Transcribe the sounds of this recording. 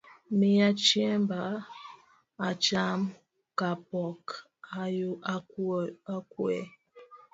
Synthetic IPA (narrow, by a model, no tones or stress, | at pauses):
mijat͡ʃiɛmba | at͡ʃam | kapɔk | auakwɛ